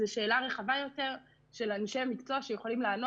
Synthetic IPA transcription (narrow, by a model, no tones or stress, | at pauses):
eʃe̞ːlaʁe̞χavajo̞te̞ʁ | ʃe̞laniʃejamikt͡soaʃejeχolimlaːno